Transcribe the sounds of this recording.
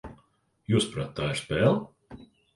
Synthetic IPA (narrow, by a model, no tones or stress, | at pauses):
juːspɾat̪ːaːɪɾspɛːlˠ